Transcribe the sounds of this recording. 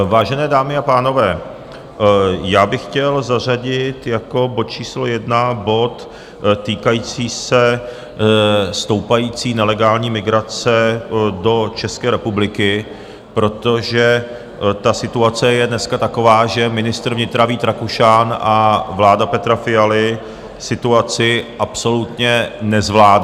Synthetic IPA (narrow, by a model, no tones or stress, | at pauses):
vaːʒɛnɛːdaːmɪapaːno̞vɛː | jaːbɪxcɛlzar̝aɟɪt̪jako̞bot̪̚t͡ʃiːslo̞jɛdnabo̞t̪ː | iːkajiːt͡siːsɛ | st̪o̞wpajiːt͡siːnɛlɛɡaːlɲiːmɪɡɾat͡sɛdo̞t͡ʃɛskɛːɾɛpublɪkɪ | pɾo̞t̪o̞ʒɛ | t̪asɪt̪uat͡sɛjɛdnɛskat̪ako̞vaːʒɛmɪnɪst̪ɾ̩vɲɪt̪ɾaviːt̪ɾakuʃanʔavlaːdapɛt̪ɾafɪjalɪ | sɪt̪uat͡sɪʔapso̞lut̪ɲɛnɛzvlaːd